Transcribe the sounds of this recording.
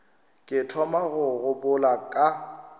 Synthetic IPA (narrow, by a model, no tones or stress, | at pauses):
kʼɪtʰɔmaɣʊɣʊpʼʊlakʼa